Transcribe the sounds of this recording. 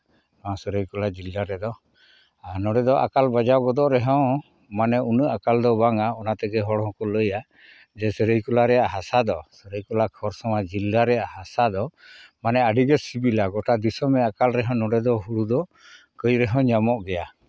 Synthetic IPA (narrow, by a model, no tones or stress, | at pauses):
nɔãsəɾəjkɔlad͡ʒilːaɾɛd̪ɔ | anɔɖɛd̪ɔʔa̰kalbad͡ʒawɡɔd̪ɔʔɾɛɦɔ̃w | manɛunəʔakald̪ɔbaŋaɔnat̪ɛɡɛɦɔɽɦɔ̃kɔləja | d͡ʒɛsəɾəjkɔlaɾɛjaʔɦasad̪ɔsəɾəjkɔlakʰɔɾsɔmad͡ʒilːaɾɛjahasad̪ɔmanɛaɖiɡɛsibilaɡɔʈad̪isɔmɛakalɾɛɦɔ̃nɔɖɛd̪ɔɦuɽud̪ɔ | kəjɾɛɦɔ̃wɲamɔʔɡɛja